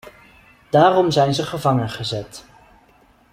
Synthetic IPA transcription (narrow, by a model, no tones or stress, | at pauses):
d̥aːrɔmzɛjnzəχəvɑŋənχəzɛt